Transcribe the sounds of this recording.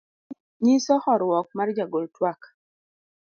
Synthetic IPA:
ɲisɔhɔɾwɔk̚mard͡ʒaɡoltwak

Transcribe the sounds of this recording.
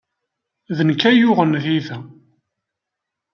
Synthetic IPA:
ðənkːæjʊʁənðiθæ

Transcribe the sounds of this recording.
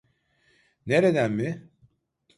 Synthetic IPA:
neɾed̪ænmi

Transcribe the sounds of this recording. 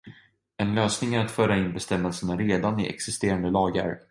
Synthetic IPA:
ɛnløːsnɪŋæɾat̪fœːɾaɪnbɛst̪ɛmːɛlsənaɾeːd̪anɪʔɛ̰ksɪst̪eːɾand̪əlɑːɡə̰ɾ

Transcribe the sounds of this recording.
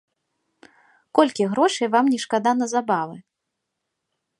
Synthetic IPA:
kɔlʲkʲiɣɾɔʂɨjvamnʲɛʂkad̪anɐzabavɨ

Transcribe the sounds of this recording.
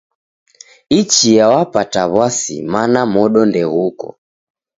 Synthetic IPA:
it͡ʃijawapataβasḭmanamɔɗɔndɛɣukɔ̰

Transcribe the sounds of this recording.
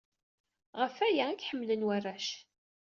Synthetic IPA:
ʁəfæjæækħəmːlənwærːæʃ

